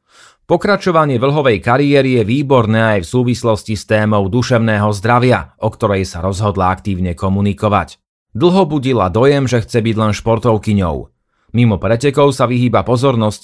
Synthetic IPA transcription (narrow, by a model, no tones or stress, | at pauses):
pɔkɾat͡ʃɔʋaɲɪɛʋl̩ɦɔʋɛjkaɾiɛːɾijɛʋiːbɔɾnɛːajfsuːʋislɔscist̪ɛːmɔʊd̪uʃɛʊnɛːɦɔzd̪ɾaʋɪaʔɔkt̪ɔɾɛjsaɾɔzɦɔd̪laakt̪iːʊɲɛkɔmunikɔʋa̰c | d̪l̩ˠɦɔbuɟila̰d̪ɔjɛmʒɛxt͡sɛbiɟlɛnʃpɔɾt̪ɔʊkiɲɔ̰ʊ | mimɔpɾɛcɛkɔʊsaʋiɦiːbapɔzɔɾnɔsc